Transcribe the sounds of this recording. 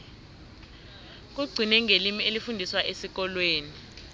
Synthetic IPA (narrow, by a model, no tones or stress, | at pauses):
k̬uɡ͡ǀʱinɛŋelimielifundʱiswaʔesik̬ɔlweːni